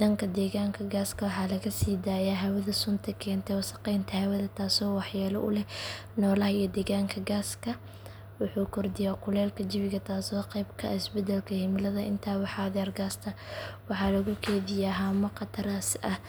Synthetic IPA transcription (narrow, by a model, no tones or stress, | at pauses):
d̪ɐŋkʰɐd̪ɛːɣaːŋkʰɐɡaːskʰɐwɑħɑːlɐɣɐsiːd̪aːjaːɦɐwɐðɐsʊnt̪ʰɐkʰɛːnt̪ʰɛsɐ̥qɛjnt̪ʰɐhɛwɐðɐt̪ʰaːsɔːwɑħjaːlɐ̰ʔʊ̰lɛ | nɔːlɐhɐijɐd̪ɛːɣaːŋkʰɐɡaːskʰɐ | wʊħuːkʰɔrd̪ɪjaːkʰʊlɛːlkʰɐd͡ʒɪβɪɣɐt̪ʰaːsɔːqɛjbkʰɐːɪsbɛd̪ɛlkʰɐhɪmlɐðɐʔɪnt̪ʰaːwɑħaðɛrɡaːst̪ʰɐwɑħɑːlɐɣʊkʰɛːðɪjaɦamɐqɑt̪ʰɐɾasʔɐh